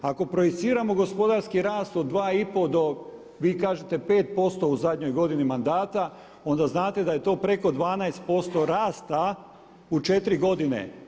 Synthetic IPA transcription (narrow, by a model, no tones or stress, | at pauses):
ako̞pɾojit̪siːɾamo̞ɡo̞spo̞d̪aɾskiɾaːst̪o̞d̪dːʋaːipo̞d̪o̞ | ʋiːkaːʒe̞t̪e̞pe̞ːt̪̚po̞st̪o̞uzad̪ɲo̞jɡo̞d̪inimand̪aːt̪a | o̞nd̪aznaːt̪e̞d̪aje̞t̪o̞ːpɾe̞ko̞d̪ʋaːnaest̪̚po̞st̪o̞ɾaːst̪a | ut͡ʃe̞t̪ɾiɡo̞d̪ine̞̰